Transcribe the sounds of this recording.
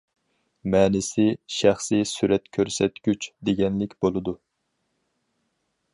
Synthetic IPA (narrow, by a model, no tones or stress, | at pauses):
mɛːnɪsɪʃæχsisyɾɛt̪kʲʰøɾsɛt̪ɡʲyt͡ʃd̪eɡʲɛnlɪkʲbolˠɨd̪u